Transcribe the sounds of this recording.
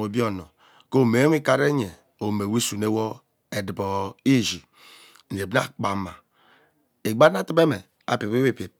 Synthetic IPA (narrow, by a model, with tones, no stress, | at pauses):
o˨bi˦o˨no˨ | ko˦˨me˨˦wʷi˦ka˨ɾe˦ɲe˨ | o˨me˨wi˦su˨ne˦wo˦ | e˨di˨bo˨i˦ʒi˨ | e˨bn˦a˦k͡pa˨ma˨ | e˨ɡ͡ba˦n˦a˦ti˦be˦me˨ | a̰˨pi˨e˦we˦pe˨